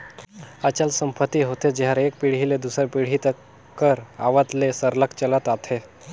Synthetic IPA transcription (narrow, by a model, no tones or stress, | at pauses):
at͡ɕalsəmpət̪ːiɦot̪ed͡ʑeɦaɾek̚piɽ̤iled̪usəɾpiɽ̤it̪ə | kːəɾa̰ʋət̪lesəɾləkt͡ɕələt̪at̪ʰe